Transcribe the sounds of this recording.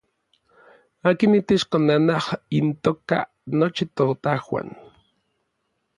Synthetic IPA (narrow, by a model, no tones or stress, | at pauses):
aːkinit̪et͡ʃkonanahint̪oka̰ | not͡ʃit̪ot̪ahwa̰n